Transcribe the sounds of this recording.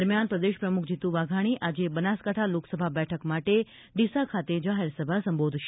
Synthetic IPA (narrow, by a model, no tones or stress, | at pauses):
əɾmjanpɾəd̪eʃpɾəmukʰd͡ʒit̪ũʋaɡʱaɽ̃iʔad͡ʒebənaskaʈʰaloksəbʱabɛʈʰəkmaʈe | ɖisakʰat̪ed͡ʒaɦeɾsəbʱasə̃mbod̪ʱʃ